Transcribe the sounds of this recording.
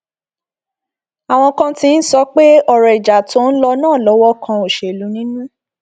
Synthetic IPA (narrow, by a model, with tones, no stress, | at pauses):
a˨w̃ɔ̃˧kã˧tĩ˧n̩˦sɔ˧˦k͡pe˦ɔ˦˨ɾɛ˨i˨d͡ʒa˨to˨˦n̩˦lɔ˧nãː˦˨lɔ˨˦wɔ˦kʰã˧o˨ʃe˨lu˨˦nĩ˦nũ˦